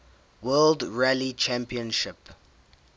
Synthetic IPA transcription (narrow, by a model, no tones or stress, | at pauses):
wɜːldɹælit͡ʃæ̃mpiə̃nʃɪp